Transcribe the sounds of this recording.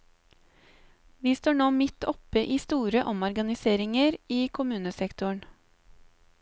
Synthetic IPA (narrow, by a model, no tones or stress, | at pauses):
ʋiːst̪oːɳoːmɪt̪ɔpəʔiːst̪uːɾəʔɔmɔɾɡɑnɪseːɾɪŋəɾiːkʰʊmʉːnəsɛkt̪ʊəɳ